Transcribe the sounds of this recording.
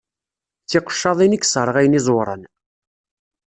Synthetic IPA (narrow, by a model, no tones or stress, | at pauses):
θɪqə̥ʃːɑðˤinikːsˤɾˤəʁæjənizˤoɾˤə̰n